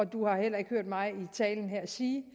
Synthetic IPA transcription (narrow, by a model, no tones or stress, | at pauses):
ɒ̽d̥uhɑ̈hel̰ɐe̝ɡ̥høɐ̰d̥mɑ̈ɪit͡sʰɛ̰ːln̩ɦeɐ̰siː